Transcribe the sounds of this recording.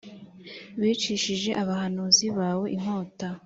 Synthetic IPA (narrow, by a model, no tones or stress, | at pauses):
βiːt͡ʃiʃiʒe̞ʔaβahanuziβaːwo̞ʔim̥o̞ːta